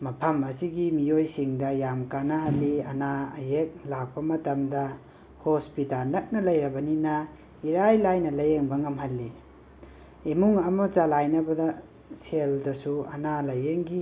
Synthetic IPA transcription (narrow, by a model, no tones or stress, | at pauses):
mɐpʰɐmɐsiɡimijojsiŋdɐjamkanɐhɐlːiɐna̰jek̚lak̚pɐmɐtɐmdɐ | hospitalnɐt̚nɐlɐjɾɐbɐninɐ | iɾajlajnɐlɐjeŋbɐŋɐmɦɐlːi | emuŋɐmɐt͡ʃalajnɐbɐdɐ | seldɐsuɐ̰nalɐjeŋɡi